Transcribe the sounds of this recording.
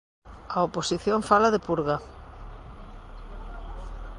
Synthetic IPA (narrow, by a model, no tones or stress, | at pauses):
ɐoposiθjoŋfalaðepuɾɣɐ